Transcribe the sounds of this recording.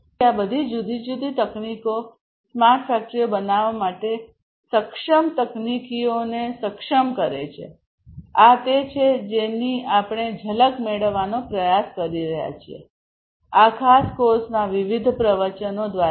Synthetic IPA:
abəd̪ʱid͡ʒud̪ʱid͡ʒud̪ʱit̪əkniko | smaɾʈʰfɛk̚ʈɾiobənaʋamaʈe | səkʃəmt̪əknikionesəkʃəmkəɾḛt͡ʃʰḛ | at̪et͡ʃʰed͡ʒeniapɽ̃ed͡ʒʱələkmeɭəʋːanopɾəjaskəɾiɾəɦja̰t͡ʃʰiḛ | akʰaskoɾsnaʋɪʋid̪ʱpɾəʋət͡ʃənod̪ʋa

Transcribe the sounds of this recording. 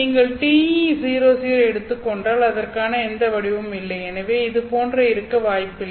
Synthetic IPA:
iːŋɡɐɭʈiːisiːɾoːsiːɾɛɽɯt̪ːɯkːɔɳɖaːlɐðɐrkaːnɐɛnd̪ɐʋɐɽɪʋɯmɪlːɐɪɛnɐʋeːɪðɯpoːndrɐɪɾɯkːɐʋaːjpːɪlː

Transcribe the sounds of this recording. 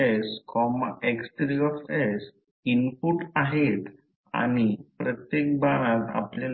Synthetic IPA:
ɛskʰɔma̰ʔekst̪ɾiɔfɛs | inpuʈaɦet̪ | a̰ɽ̃ipɾət̪jek̚baɽ̃at̪a̰pla

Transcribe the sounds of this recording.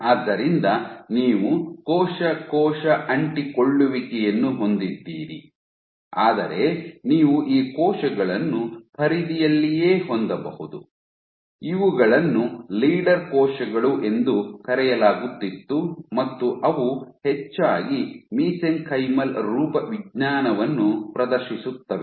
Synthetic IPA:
aːd̪ːɐɾind̪ɐniːʋukɔːʃɐkɔːʃɐʔɐɳʈikoɭːuʋikɛjenːuɦo̞nd̪id̪ːiːɾḭ | aːd̪ɐɾe̞niːʋuʔiːkɔːʃɐɡɐɭɐnːupʰɐɾid̪ijɐlːijeːhond̪ɐbɐhud̪u | iʋuɡɐɭɐnːuliːɖɐɾkɔːʃɐɡɐɭuʔe̞nd̪ukɐɾɛjɐlaːɡut̪ːit̪ːumɐt̪ːuʔɐʋuhet͡ʃːaːɡimiːseŋkʰɐjmɐlɾuːpɐʋiɡɲaːnɐʋɐnːupɾɐd̪ɐɾʃisut̪ːɐʋe

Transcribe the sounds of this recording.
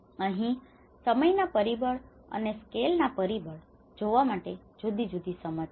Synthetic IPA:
əɦĩ | səməjnapəɾibəɭ | ə̰neskelnapəɾibəɭ | d͡ʒoʋamaʈe | d͡ʒud̪id͡ʒud̪isəmə

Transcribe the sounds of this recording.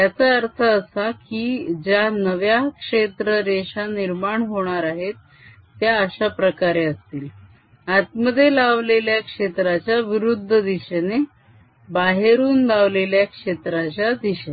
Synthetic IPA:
t̪jat͡səəɾt̪ʰəːsakid͡ʑjanəʋjakʂet̪ɾəɾeɕaniɾmaɳɦoɽ̃aɾaɦet̪ː | jaəɕapɾəkaɾeəst̪iːl | at̪̚məd̪ʱːjelaʋleljakʂet̪ɾat͡ɕjaʋiɾud̪ʱːəd̪iɕene | baɦeɾuːnlaʋleljakʂet̪ɾat͡ɕjad̪iɕe

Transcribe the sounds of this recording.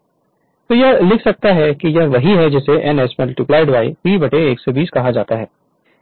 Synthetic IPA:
t̪oːjɛɦlɪkʰsɐk̚t̪aɦɛkijɐɦʋɐɦiɦɛd͡ʒɛseʔɛnɛːsmɛlʈuplaːɪɖʋaːipiːbɐʈeeːksebiːskɐɦad͡ʒaːt̪aɦɛː

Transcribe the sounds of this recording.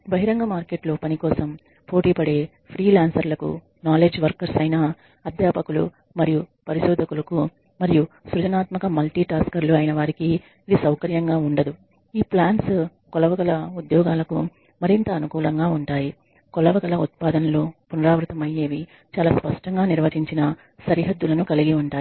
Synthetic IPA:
bɐɦiɾɐŋɡɐmaːɾke̞ːʈloːpɐnikɔːsɐm | po̞ːʈiːpɐɽe̞ː | pʰɾiːlaːnsɐɾlɐkṵ | naːle̞ːd͡ʒʋɐɾkɐɾsɐjnaː | ɐd̪ʱjaːpɐkulṵ | mɐɾijupɐɾiʃɔːd̪ʱɐkulɐku | mɐɾijusɾud͡ʒɐnaːt̪mɐkɐmɐlʈiːʈaːskɐɾluɐjinɐʋaːɾikiː | d̪isɐwkɐɾjɐŋɡaːuɳɖɐd̪u | iːplaːɳs | kɔlɐʋɐɡɐlɐud̪jɔːɡaːlɐkṵ | mɐɾint̪ɐːnukuːlɐŋɡaːuɳʈaːji | kɔlɐʋɐɡɐlɐut̪̚paːd̪ɐnɐlupunɐɾaːʋɾut̪ɐmɐjːe̞ːʋi | t͡ʃaːlaːspɐʂʈɐŋɡaːniɾʋɐt͡ʃiɲt͡ʃinɐ | sɐɾiɦɐd̪ːulɐnukɐliɡiuɳʈaːi

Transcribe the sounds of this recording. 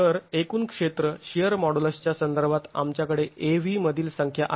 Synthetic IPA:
əɾekuːnkʂet̪ɾəɕijəɾmɔɽuləst͡ɕjasənd̪əɾbʱat̪a̰mt͡ɕjakəɽeeʋiməd̪ʱiːlsəŋkʰjaʔa

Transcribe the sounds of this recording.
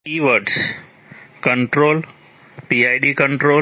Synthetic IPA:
iːʋəɖs | kə̃ɳʈɾoːl | piaɪɖikə̃ɳʈɾoː

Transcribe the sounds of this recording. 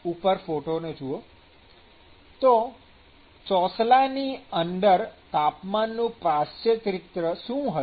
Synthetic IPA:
upəɾfoʈoned͡ʒuo | t̪o | t͡ʃɔslaniənd̪əɾt̪apmanːũpɾast͡ʃət̪ɾɪt̪ɾəʃũɦə

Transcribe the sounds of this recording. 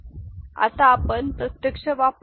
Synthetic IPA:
a̰t̪aːpənpɾət̪jəkʂəʋap

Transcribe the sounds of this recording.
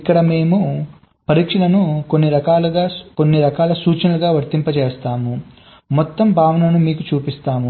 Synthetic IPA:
ikːɐɽɐme̞ːmu | pɐɾiːkʂilɐnukonːiɾɐkaːluɡaːkonːiɾɐkaːlɐsuːt͡ʃɐnɐluɡaːʋɐɾt̪impɐt͡ʃeːst̪aːmu | mɔt̪ːɐmbʱaːʋɐnɐnumiːkut͡ʃuːpist̪aːmu

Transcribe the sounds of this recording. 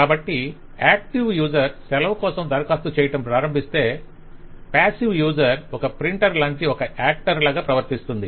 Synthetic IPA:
kaːbɐʈːi | aːk̚ʈiʋjuːd͡ʒɐɾsɛlɐʋkɔːsɐmd̪ɐɾɐkaːst̪ut͡ʃɛːjɐʈɐmpɾaːɾɐmbʱist̪e̞ː | paːsiʋjuːd͡ʒɐɾɔkɐpɾiɳʈɐɾlɐɲt͡ʃiɔkɐʔaːk̚ʈɐɾlaːɡaːpɾɐʋɐɾt̪ist̪und̪i

